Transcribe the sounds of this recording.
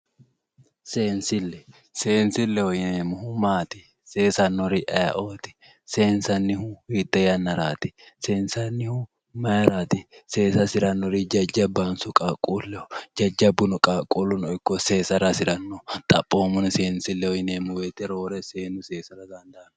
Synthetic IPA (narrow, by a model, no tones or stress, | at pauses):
se̞ːnsɪlːɛ | se̞ːnsɪlːɛhɔjɪneːmːʊhʊmaːt̪ɪ̥ | se̞ːsɐnːɔɾɪʔɐjɐ̰ʔoːt̪ɪ̥ | se̞ːnsɐnːɪhʊwiːt̪ːɛjɐnːɐɾaːt̪ɪ̥se̞ːnsɐnːɪhʊ | mɐjɐɾaːt̪ɪse̞ːsɐsɪɾɐnːɔɾid͡ʒɐd͡ʒɐbːansʊkʼaːkʼuːlːɛhɔ̥d͡ʒɐd͡ʒːɐbːʊnʊkʼaːkʼuːlʊnɔɪkːɔse̞ːsɐɾɐsɪɾɐnːɔt̪ʼɐ̰pʼːoːmʊnɪseːnsɪlːɛhɔjɪneːmːʊweːt̪ːɛɾo̞ːɾɛseːnʊseːsɐɾɐd̪ɐnd̪ɐʔɐn